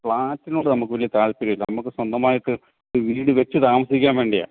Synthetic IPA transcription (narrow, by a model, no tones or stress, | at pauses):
pɭaːtːinuːɖɨnɐmukːɨʋɐlijɐt̪aːɭpiɾɐjilːɐnɐmukːɨswɐnd̪ɐmaːjɐʈːɨ | ʋiːɽɨʋetːɨt̪aːmɐsikʲːaːnʋe̞ːɳɖija̰ː